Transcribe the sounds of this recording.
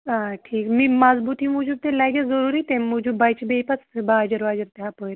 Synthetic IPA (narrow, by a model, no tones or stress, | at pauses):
ãʈʰiːkmiːmad͡zbut̪ʰĩmud͡ʑũːt̪ẽlajɡed͡zəɾuːɾiːt̪ẽmud͡ʑʱũbajt͡ɕibejpat͡sbad͡ʑəɾʋad͡ʑəɾt̪ɛɦapəjɾ